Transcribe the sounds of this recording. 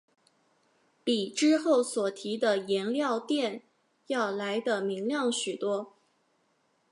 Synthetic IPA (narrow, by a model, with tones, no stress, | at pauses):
pi˨˩ʈ͡ʂɻ̩˥xo˥˩ʊswɔ˨˩t̪ʰi˧˥d̪ə˧jɛ˧˥nljɑ˥˧ʊt̪jɛ˥˩n | jɑ˥˩ʊla˧˥ɪd̪ə˧mi˧˥ŋljɑ˥˩ŋɕy˨˩t̪wɔ˥